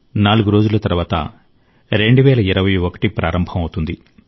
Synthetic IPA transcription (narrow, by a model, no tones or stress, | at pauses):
naːluɡuɾo̞ːd͡ʒulɐt̪ɐɾuʋaːt̪ɐ̰ | ɾe̞ɳɖuʋɛːlɐiɾɐʋɐjuokɐ̥ʈipɾaːɾɐmbʱɐmɐwt̪und̪i